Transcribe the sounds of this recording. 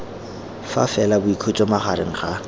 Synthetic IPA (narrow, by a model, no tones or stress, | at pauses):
fa̰fɛlabʊikʰot͡ʃʼɔmaχaɾɪŋ̩χa